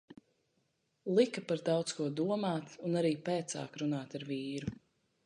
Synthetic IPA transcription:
lˠikapaɾd̪aɑwt̪skuɔd̪uɔmaːt̪unaɾiːpɛːt̪sa̰ːkɾunaːt̪aɾviːɾu

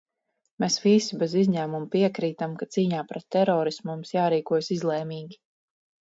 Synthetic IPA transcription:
mɛsʋisibɛzizɲæːmumpiɛkɾiːt̪amkat̪siːɲaːpɾɛt̪ːɛɾɔːɾismumsjaːɾiːkuɔjsizlˠɛːmiːɡʲi

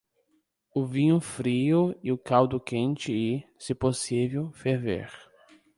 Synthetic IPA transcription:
ʊvĩɲʊfɾiʊɪʊkawd̪ʊkẽnt͡ʃɪisɪposivewfeɾvḛɾ

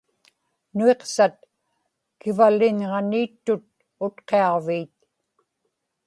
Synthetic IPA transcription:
nue̞qsat̪̚ | kɪvalːɪnʁɑniːt̪ːʊt̪̚ | ʊt̪qe̞ɑʁviːt̪̚

